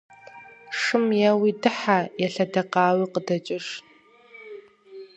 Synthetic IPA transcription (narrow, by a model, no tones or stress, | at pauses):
ʂɨmjɐwidɨħajɛɬɐdɐqɑːwiqədɐt͡ʃʼɪʂ